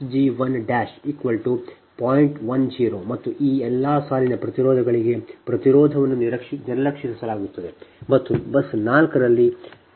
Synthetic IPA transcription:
d͡ʒiʋɐnɖaːʃiːkʋɐlʈu | paːjiɳʈʋɐnd͡ʒiːɾomɐt̪ːuʔiːɛlːaːsaːlinɐpɾɐt̪iɾɔːd̪ʱɐɡɐɭiɡe̞pɾɐt̪iɾɔːd̪ʱɐʋɐnːuniɾɐkʂiniɾɐlɐkʂisɐsɐlaːɡut̪ːɐd̪emɐt̪ːubɐsnaːlkɐɾɐlːi

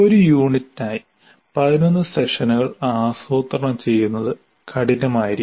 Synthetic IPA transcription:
o̞ɾujuːɳitːinaːji | pɐðino̞nːɨseʂɐnuɣɐɭaːsoːt̪rɐɳɐmt͡ɕe̞jːunːɐðɨ | kʰɐɽinɐmaːjiɾi

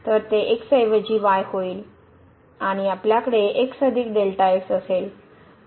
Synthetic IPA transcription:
t̪əɾt̪eʔeksəjʋəd͡ʑiːʋajhoiːl | aɽ̃iapljakəɽeʔeksəd̪ʱiːk̚d̪elʈajesəsel

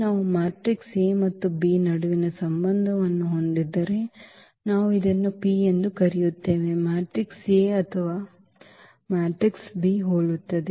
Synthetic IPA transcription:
naːʋumaːʈɾikseːmɐt̪ːubiːnɐɽuʋinɐsɐmbɐnd̪ʱɐʋɐnːuɦo̞nd̪id̪ːɐɾe̞ | naːʋuid̪ɐnːupiːend̪ukɐɾɛjut̪ːe̞ːʋe̞maːʈɾikseɐt̪ʰɐʋaː | maːʈɾiksbiːɦoːɭut̪ːɐd̪e

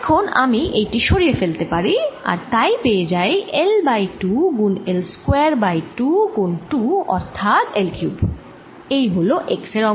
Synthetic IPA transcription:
ɛkʰona̰miʔejʈiʃoɾiefelt̪epaɾia̰ɾt̪ajpeed͡ʑajelbajʈuɡunelskweaɾbajʈuɡunʈuɔ̰ɾt̪ʰat̪elkjub | ejɦoloʔekseɾɔ

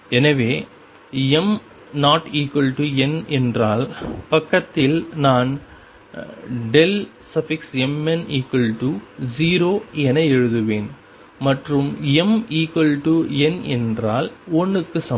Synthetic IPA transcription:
ɛnɐʋeː | ɛm | naːʈiːkʋɐlʈuɛnɛndraːlpɐkːɐt̪ːɪlnaːn | ɖɛl | sɐfɪksɛmɛniːkwɐlʈud͡ʒiːɾoːɛnɐɛɻɯðɯʋeːn | mɐʈrɯmɛmiːkʋɐlʈuɛnɛndraːlɔɳːɯkːɯsɐ

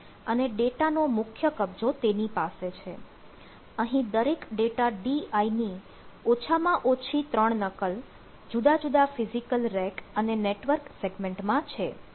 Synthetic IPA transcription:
əneɖeʈanomʊkʰjəkəb̚d͡ʒot̪enipaset͡ʃʰe | əɦĩd̪əɾekɖeʈaɖiaini | ot͡ʃʰamãʔot͡ʃʰit̪ɾəɳnəkəl | d͡ʒud̪ad͡ʒud̪afizikəlɾɛkəneneʈʋəɾkseɡmẽɳʈmãt͡ʃʰe

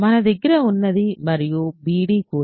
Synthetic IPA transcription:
mɐnɐðɪɡɪɾɐʊnːɐðimɐɾɪjubiːɽikuː

